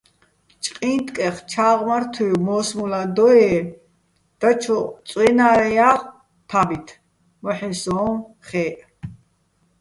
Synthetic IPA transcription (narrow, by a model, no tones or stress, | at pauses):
t͡ʃʼqʼĩːnt̪ʼkʼɛχt͡ʃʰaːʁmaɾt̪ʰujmɔːsmulad̪ɔɛː | d̪̥at͡ʃʰɔt͡sʼwɛnaːɾɛjaːχ | p̪ʰabit̪ʰ | mɔħɛsɔːm | χɛːʔ